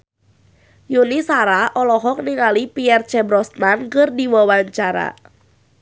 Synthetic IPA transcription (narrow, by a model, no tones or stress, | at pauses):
junisaɾaʔɔlɔɦɔk̚niŋalipiɛrt͡ʃɛbɾɔsnankɨrdiwawaɲt͡ʃaɾa̰